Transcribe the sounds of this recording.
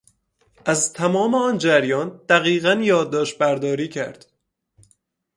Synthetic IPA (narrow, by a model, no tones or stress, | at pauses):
ʔæzt̪ʰæmɒːmeɒːnd͡ʒæɾjɒːnd̪̥æɣiːɣænjɒːd̪̚ːɒːʃt̪̚bæɾd̪ɒːɾiːcʰæ̰ɾd̪̥